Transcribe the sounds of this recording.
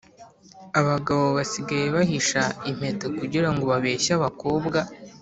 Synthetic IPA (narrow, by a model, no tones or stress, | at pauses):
aβaɡaβo̞βasiɡaje̞βaɦiʃaim̥he̞tokuɟiɾaŋɡo̞βaβe̞ːʃaβako̞ːbɡa